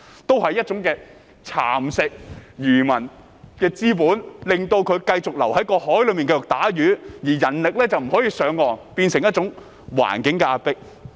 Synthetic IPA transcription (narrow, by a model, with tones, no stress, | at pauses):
t̪o˥whɐ˨jːɐ˥t̚t͡ʃʊ˨˥ŋkɛː˧ | t͡sʰa̰ː˨˩msɪ˨k̚jyː˨˩mɐ˨˩n | kɛː˧t͡siː˥p̬uː˨˥nlɪ˨ŋt̪o˧wkʰɵ˨˧ɥkɐ˧jt͡sʊ˨k̚lɐ˨˩whɐ˨˥jkɔː˧hɔː˨˥jlɵ˨˥miː˨nkɐ˧jʊ˨k̚t̪aː˨˥jyː˨˥jiː˨˩jɐ˨˩nlɪ˨k̚lɛː˥t͡sɐ˨wm̩˨˩hɔː˨˥jiː˧sœː˨˥ŋːɔː˨npiː˧nsɪ˨˩ŋjɐ˥t̚t͡sʊ˨˥ŋ | wa̰ː˨˩nkɪ˨˥ŋkɛː˧ʔaː˨˧t̚pɪ˥k̚